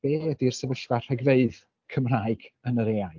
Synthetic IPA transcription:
b̥eːədirsəvəɬv̥ar̥ɛɡveɨð | kʰəmraːɨɡ̥ənəɾeːaj

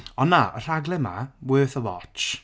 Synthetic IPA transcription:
ɔnːaʔər̥aɡlˠɛmawəːθəwɔt͡ʃ

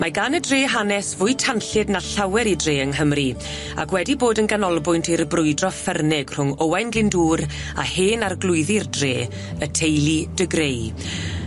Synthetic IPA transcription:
maɡanədreːɦanɛsvʊɨtʰanɬɨdnaɬawɛɾidreːəŋɦəmri | a̰kʰwɛdiboːdənɡanɔlˠbʊjntʰiɾəbrʊɨdrɔfɛrnɪɡ̥r̥ʊŋɔwajnɡlɪnduːɾ | a̰heːnarɡlˠʊɨðɪrdreː | ətʰejlˠid̥əɡrej

